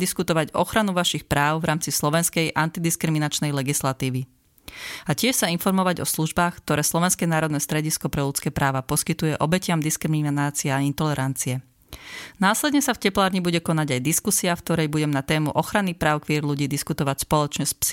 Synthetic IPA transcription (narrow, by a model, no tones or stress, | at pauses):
d̪iskut̪ɔʋaɟɔ̰xɾanuʋaʃixpɾaːʊvɾʔaːmt͡sislɔʋɛnskɛjʔant̪id̪iskɾiminat͡ʃnɛjlɛɡislat̪iːʋi | acɪɛʃsainfɔɾmɔʋaɟɔsluʒbaːxk̚t̪ɔɾɛːslɔʋɛnskɛːnaːɾɔd̪nɛːst̪ɾɛɟiskɔpɾɛʎut͡skɛːpɾaːʋapɔskit̪ujɛʔɔbɛcɪamd̪iskɾiminaːt͡siɛaint̪ɔlɛɾant͡siɛ | naːslɛd̪ɲɛsafcɛplaːɾɲibuɟɛkɔnaɟajd̪iskusiafkt̪ɔɾɛjbuɟɛmnat̪ɛːmṵʔɔxɾanipɾaːʊkʋiɛɾluɟiːd̪iskut̪ɔʋacspɔlɔt͡ʃɲɛsp